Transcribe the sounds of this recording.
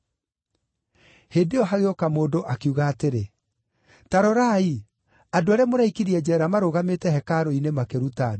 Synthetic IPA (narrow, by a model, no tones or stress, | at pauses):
heːdeɔɦaɣeokamoːdoʔakiuɣaːteɾe | taɾɔɾai | adoaɾeɛmoɾaikiɾiɛd͡ʑɛɾamaɾoɣametɛhɛkaɾoinemakeɾutado